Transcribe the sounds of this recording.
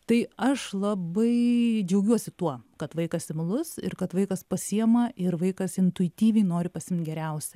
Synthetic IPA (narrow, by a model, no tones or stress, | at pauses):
t̪ɐɪɐʃlˠɐbɐɪd͡ʒʲɛʊɡʲuɔsʲɪt̪uɔkɐt̪ʋɐɪkɐsɪmlˠʊsɪ̰ɾkɐt̪ʋɐɪkɐspɐsʲiɛmɐʔɪɾʋɐɪkɐsɪnt̪ʊɪt̪ʲiːʋʲɛɪnoːɾʲɪpɐsʲɪmnt̪̚ʲɡʲɛɾʲɛʊsʲɛ